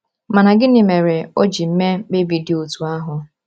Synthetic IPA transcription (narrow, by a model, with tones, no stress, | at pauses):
ma˨na˨ɡɪ˦nɪ˨me˨ɾe˨o˦d͡ʒi˨m̩˦me˦k͡pe˦bi˨dɪ˨˦o˨tu˨a˦ɦʊ˨